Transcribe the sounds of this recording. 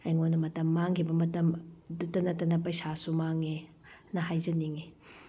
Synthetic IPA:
ɐjŋonɐmɐtɐmːaŋkʰibɐmɐtɐmdutɐnɐtɐnɐpɐjsasumaŋe | nɐɦajzɐniŋe

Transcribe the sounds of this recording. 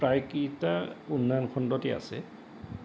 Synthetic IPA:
pɹajkitaunːankʰɔndɔtɛa̰sɛ

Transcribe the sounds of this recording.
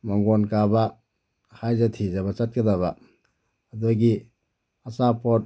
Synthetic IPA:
maŋɡonkabɐ | hajzɐtʰizɐbɐt͡ʃɐt̚kɐdɐβɐː | duɡi | ɐsapot̚

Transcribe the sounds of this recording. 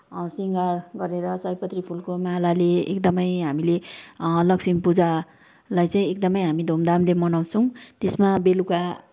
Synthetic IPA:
siŋɡarɡʌɾeɾʌsʌjpʌt̪ripʰulkomalalḛːkd̪ʌmʌjɦamilelʌksimpud͡za | lajt͡saĩek̚d̪ʌmʌjɦamid̪ʱomd̪amlemʌnaw̃t͡sʰʌ̃w̃t̪esmabeluka

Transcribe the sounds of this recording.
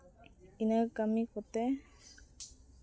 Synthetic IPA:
inakamĩkot̪e

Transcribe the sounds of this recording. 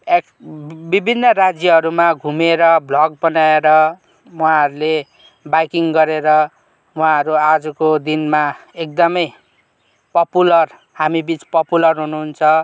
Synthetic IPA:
ekbibʱinːʌrad͡zjʌɦʌɾumaɡʱumeɾʌblʌɡ̚bʌnaeɾʌ | uɦãɦʌɾule | bajkiŋɡʌɾeɾʌ | uɦãʌɾuad͡zʌkod̪inmaek̚d̪ʌmʌj | pʌpulʌr | hamibit͡spʌpulʌrɦunuɦːnt͡sʰʌ

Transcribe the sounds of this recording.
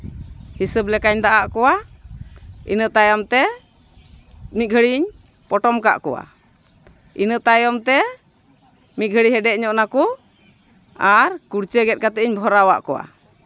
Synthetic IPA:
hisəblɛkaɲd̪aʔaʔkɔwa | ḭnət̪ajamt̪ɛ | mit̪̚ɡʱəɽiɲ | pɔʈɔmka̰ʔkɔwa̰ | inət̪ajɔmt̪ɛ | mit̪̚ɡʱəɽiɦɛɖɛʔɲɔʔnaku | aɾkuɾt͡ʃəɡɛt̪̚kat̪ɛʔiɲbʱɔɾawaʔkɔwa̰

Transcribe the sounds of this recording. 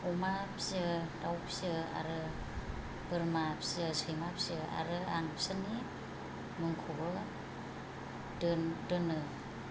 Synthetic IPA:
ɔmapʰsɯdawpsɯa̰ɾɯ | bɯɾmapsɯsɯjmapsɯa̰ɾɯanpsɯni | mɯŋkʰobɯ | dɯndɯnɯ

